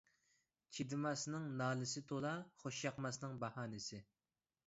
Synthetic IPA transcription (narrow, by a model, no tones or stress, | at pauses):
t͡ʃʰid̪ɨmɑsnɨŋnɑːlɨsɪt̪ʰolˠɑχoʃjɑqmɑsnɨŋbɑhɑːnɪsɪ